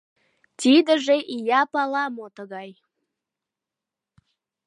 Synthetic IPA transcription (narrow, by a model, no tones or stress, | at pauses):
t̪ʲid̪əʒeʔijɑpɑlɑmot̪əɣɑj